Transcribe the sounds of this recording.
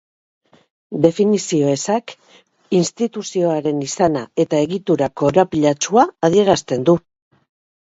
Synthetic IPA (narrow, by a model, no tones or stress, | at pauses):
d̪e̞finisio̞e̞sak | inst̪it̪usio̞aɾe̞nisanae̞t̪ae̞ɣit̪uɾako̞ːɾapiʎat͡ʃuaːð̞ie̞ɾast̪e̞nd̪u